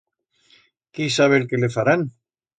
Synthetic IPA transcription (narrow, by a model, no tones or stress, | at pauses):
kisaβ̞elkelefaɾan